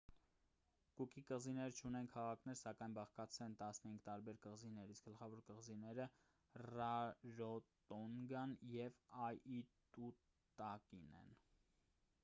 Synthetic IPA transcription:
kukikəʁzinɛɾt͡ʃʰunɛnkʰɑʁɑkʰnɛɾsɑkɑjnbɑχkɑt͡sʰɛnt̪ɑsnəhiŋɡt̪ɑɾbɛɾkəʁzinɛɾisk̚ɡ̥əlχɑvɔɾkəʁzinɛɾə | rɑɾɔt̪ɔŋɡɑnjɛvɑjit̪u | t̪ɑkinɛ̰n

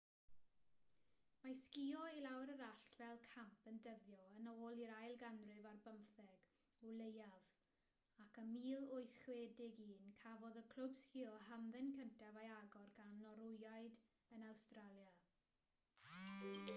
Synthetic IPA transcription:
maskiɔilawɾəɾaɬtʰvɛlˠkʰampəndəvjɔənoːlˠiɾajlˠɡanrɨvarbəmθɛɡ̥ | ulˠejav | akəmiːlˠʊjθχwɛːdɪɡiːnkʰavɔðəkʰl̥ˠʊbskiɔɦamðɪnkəntʰavajaɡɔrɡanːɔɾʊjajd | ənawstralˠja

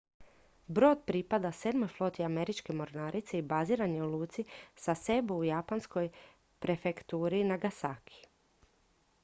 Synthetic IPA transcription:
bɾo̞ːd̪pɾipad̪ase̞d̪mo̞jflˠo̞t̪iame̞ɾit͡ʃke̞mo̞ɾnaːɾit̪se̞ibaziːɾaneulˠuːt̪sisase̞buujapansko̞j | pɾe̞fe̞kt̪uːɾinaɡasakʰi̥

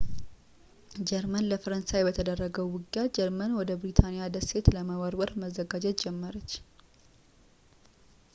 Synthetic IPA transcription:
d͡ʒɛɾmənləfəɾənsajbət̪ʰəd̪ərːəɡəwːʊɡjad͡ʒɛɾmənwɔd̪əbɾit̪ʰanɪjad̪əse̞t̪ləməwəɾwəɾməzːəɡad͡ʒɛt̪d͡ʒɛmːəɾət͡ʃː

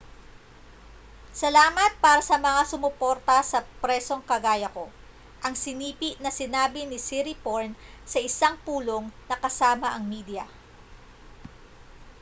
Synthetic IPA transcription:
sɐlaːmɐt̪̚paːɾɐsɐmɐŋasʊmʊpo̞ɾt̪ɐsɐpɾɛso̞ŋkɐɡaːjɐko̞ | ʔɐŋsɪniːpiʔnɐsɪnaːbɪnɪsiɾipoɹnsɐʔɪsaŋpuːlo̞ŋnɐkɐsaːmɐʔɐŋmiːd̪jɐ

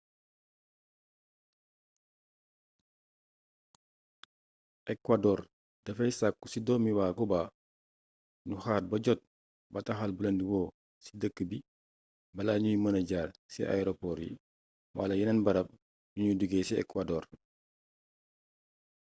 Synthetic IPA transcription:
ʔɛkwadɔːɾ | d̥ɐfɐjsakːusidɔmiwakubaː | nuxaːt̚bɐɟɔt̚ | bɐtaxalbulɐndiwɔː | si̥dəkːəbi | bɐlaːɲujimɐnɐɟaːlsḭʔa̰ɛɾopɔɾḭ | wa̰lɐjinɐnbɐɾɐp̚ | nuɲuduɡeːsiɛ̰kwadɔːr

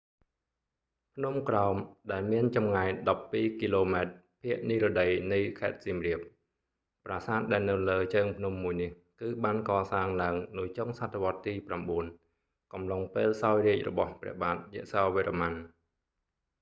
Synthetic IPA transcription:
pʰnumkraɔmɗaɛlmiənt͡ɕɑmŋaɛɗɑpːiːkiːloːmaɛt̪̚ | pʰiəʔniːɾoɗəjnɨjkʰaɛt̪̚siːmriəp̚ː | praːsaːt̪̚ɗaɛlnɨwləːt͡ɕəːŋpʰnumːuəjnih | kɨːɓaːnkɑːsaːŋlaəŋnɨjt͡ɕoŋsat̪ʰːeʋŏət̪ːiːpramɓuən | kɑmloŋpeːlsaɔjriəc̚rɔ̰ɓɑhprɛ̰̆əhɓaːt̪̚jɛəʔsaːʋiəɾʔaman

